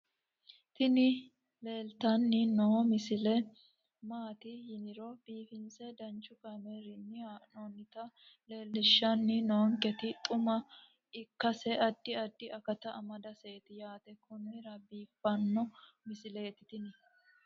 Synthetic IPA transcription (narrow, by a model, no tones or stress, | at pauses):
t̪ɪnɪ | le̞ːlt̪ɐnːɪnoːmɪsɪlɛ | maːt̪ɪjɪnɪɾɔb̥iːfɪnsɛd̪ɐnt͡ʃːʊkɐmɛɾɪnːɪnoːnːɪt̪ɐle̞ːlːɪʃːɐnːɪnoːŋkɛt̪ɪt̪ʼʊmɐ | ɪkːɐsɛɐd̪ːɪɐd̪ːɪʔɐkɐt̪ɐʔɐmɐd̪ɐseːt̪ɪjaːt̪ɛkʰʊnɾɐbiːfːɐnːɔmɪsɪleːt̪ɪt̪ɪnɪ